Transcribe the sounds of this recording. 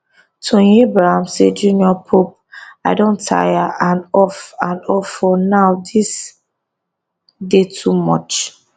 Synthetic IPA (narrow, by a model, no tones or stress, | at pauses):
tʰõebɹahãmsed͡ʒũniɔpʰop̚aɪdõntʰa̰jaãnɔfãnɔfɔnawdis | detʰumɔ̰t͡ʃ